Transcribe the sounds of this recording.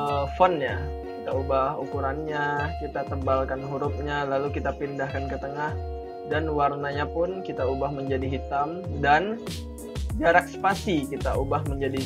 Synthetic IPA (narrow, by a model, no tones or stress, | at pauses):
əfɔnɲa | kit̪aubahukuɾanɲakit̪at̪əmbalkanɦuɾʊp̚ɲalalukit̪apindahkankət̪əŋah | danwarnaɲapʊnkit̪aubahməɲd͡ʒadiɦit̪amdan | d͡ʒaɾak̚spasikit̪aubahməɲd͡ʒadi